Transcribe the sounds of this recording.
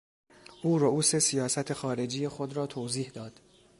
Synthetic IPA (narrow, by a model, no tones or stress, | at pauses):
ʔuːɾouːse̞sijɒːsæt̪ʰe̞xɒːɾe̞d͡ʒiːjexod̪ɾɒːt̪ʰoːziːhd̪ɒːd̪̥